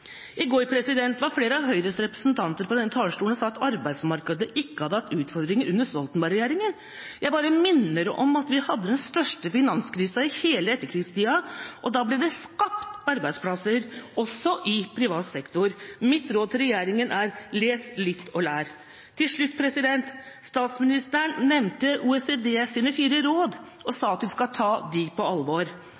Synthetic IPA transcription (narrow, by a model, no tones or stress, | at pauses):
ʔɪɡoːɾpʰɾɛsɪd̪ɛnt̪ʋɑɾfleːɾəɑʋɦœʏɾəst̪ɾɛpɾə̥sn̩t̪ʰɑnt̪əɾpɔd̪ɛnːət̪ʰɑːlʂʈuːnsɑːɑt̪ɑɾbæɪsmɑɾkɑd̪əʔɪkːəhɑd̪əɑt̪ːʉːt̪fɔɾd̪ɾɪŋəɾʔʉnːəsɔlt̪nbɑɾɛjeːɾɪŋən | jæɪbɑːɾəmɪnːəɾʔɔ̰mɑt̪ʋɪhɑd̪ːəd̪ɛnst̪œʂʈəfɪnɑnskʰɾiːsɑɪheːləɛt̪ːəɾkʰɾɪst̪iːɑʔɔd̪ɑːblɛd̪ɛskɑpt̪ɑɾbæɪspʰlɑsəɾɔsːɔʔɪpʰɾɪʋɑːt̪sɛkt̪ʊɾmɪt̪ːɾoːd̪t̪ʰɪɾɛjeːɾɪŋənʔæɾleːslɪt̪ːɔlæːɾ | t̪ʰːɪlʂɭʉt̪̚ːpʰɾɛsɪd̪ɛnt̪ | st̪ɑːt̪smɪnɪst̪əɳnɛmnt̪əʔuːɛseːd̪eːsiːnəfiːɾəɾoːd̪ | ɔsɑːɑt̪ʋɪskɑt̪ʰɑːd̪ɪpʰɔɑlːʋoːɾ